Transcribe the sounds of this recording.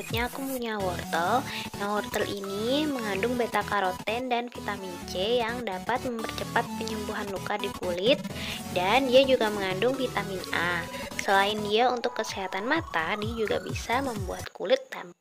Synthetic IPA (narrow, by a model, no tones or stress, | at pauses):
t̪̚ɲaːkupuɲawɔrt̪əlnawɔrt̪əlʔiniməŋandʊŋbet̪akaɾot̪ɛndanfit̪amint͡ʃejaŋdapat̪̚məmpərt͡ʃəpat̪̚pəɲəmbuɦanlukadikulɪt̪̚dandiad͡ʒuɡaməŋandʊŋfit̪amɪnasəlaɪndiaunt̪ʊkːəseɦat̪anmat̪adiad͡ʒuɡa̰bisaməmbuat̪kṵlɪt̪ːam